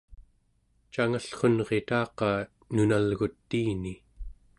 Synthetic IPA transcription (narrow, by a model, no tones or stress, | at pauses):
t͡ʃaŋaɬχo̞nʁe̞t̪ɑːqɑ | nunalɣut̪ːiːni